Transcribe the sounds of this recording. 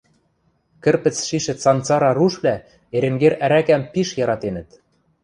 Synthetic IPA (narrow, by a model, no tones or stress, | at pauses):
kɘ̆rpɘ̆t͡sʃiʃɘ̆t͡sɑnt͡sɑɾɑɾuʃβlæ | eɾĕŋɡeɾæɾækæmpiʃjɑɾɑt̪enə̆t̪